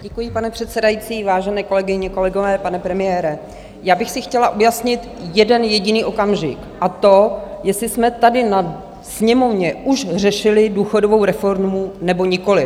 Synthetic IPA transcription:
ɟɛkujɪpanɛpr̝̥ɛt̪sɛdajit͡siːvaːʒɛnɛːko̞lɛɡɪɲɛko̞lɛɡovɛːpanɛpɾɛmɪjɛːɾɛ | jaːbɪxsɪxcɛlaʔujasɲɪt̪jɛdɛnjɛɟɪniːʔo̞kamʒɪkʔat̪o̞jɛsɪsmɛt̪adɪna | sɲɛmo̞vɲɛʔuʃrɛʃɪlɪduːxodovo̞wɾɛfo̞ɾmunɛboɲɪko̞lɪ

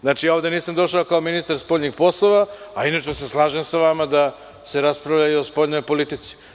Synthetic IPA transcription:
znaːt͡ʃijao̞ʋd̪e̞niːsamd̪o̞ʃaokaominist̪aɾspoʎɲixpo̞slˠoʋaainat͡ʃmos̬eslˠaːʒemsaʋamad̪a | se̞ɾaspɾavʎajuospo̞ːʎno̞jpo̞lit̪it̪si̥

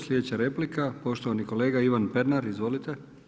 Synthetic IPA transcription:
slʲed̪et͡ɕaɾe̞plikapo̞ʃt̪o̞ʋaniko̞le̞ːɡaiʋanpe̞ɾnaɾizʋo̞lit̪e

